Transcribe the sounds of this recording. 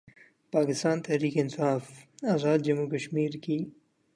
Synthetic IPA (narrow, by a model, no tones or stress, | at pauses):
paːkɪst̪aːnt̪ɛɦɾiːkeɪnsaːfaːzaːd̪̚d͡ʒɐmukəʃmiːɾki